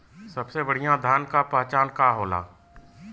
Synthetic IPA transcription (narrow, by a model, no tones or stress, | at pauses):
səbsebəɽ̤ijãd̪ʱaːnkapaːt͡ʃaːnkaɦoːla̰ː